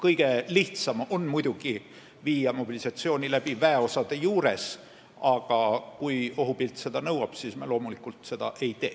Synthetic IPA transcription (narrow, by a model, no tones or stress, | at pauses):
kɤjɡ̥e̞liht̪sɑmo̞nmujd̪̥uɡ̥i | viːjɑmo̞b̥ilisɑt̪sio̞ːnʲilæb̥ivæeo̞sɑd̪̥e̞juːɾe̞s | ɑɡ̥ɑkujo̞ɦupilt̪se̞d̪ɑnɤwɑb̥siːsmɑlo̞ːmulikˑult̪se̞d̪̥ɑ̰ʔe̞jt̪eː